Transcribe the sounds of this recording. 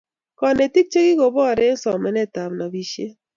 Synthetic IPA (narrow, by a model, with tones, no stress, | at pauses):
kɔ˨ne˨ti˦k̚t͡ʃe˦ki˦ko˨bɔ˦˨ɾe˦ŋ˦sɔ˨mɛ˨nɛ˦ta˨mna˨bi˨ʃe˦